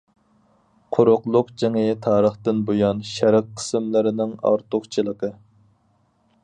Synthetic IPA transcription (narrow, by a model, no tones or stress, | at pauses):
qʰoɾʊqlˠʊqd͡ʒeŋɨt̪ʰɑːɾəχt̪ɨnbojɑnʃæɾɪq̚qʰːə̥sɪmlɪɾɪnɪŋɑ̰ɾt̪ʊχt͡ʃʰɨlˠəqə